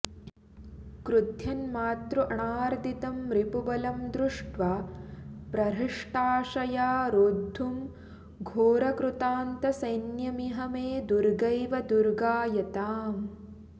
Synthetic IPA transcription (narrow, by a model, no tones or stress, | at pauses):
kɾud̪ʱjɐnmaːt̪ɾuʔɐɳaːɾd̪it̪ɐmɾipubɐlɐmd̪ɾuʂʈʋaːpɾɐɾiʂʈaːʂɐjaːɾoːd̪ʱːum | ɡʱoːɾɐkɾut̪aːnt̪ɐsɐjnjɐmiɦɐmeːd̪uɾɡɐjʋɐd̪uɾɡaːjɐt̪aːm